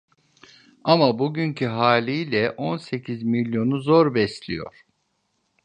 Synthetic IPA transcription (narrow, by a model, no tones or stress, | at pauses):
amabuɟyncʰiɦaːlʲijlʲɛʔo̞nse̞cʰizmilʲjo̞nuzo̞ɾbɛslʲḭjo̞̰ɾ̥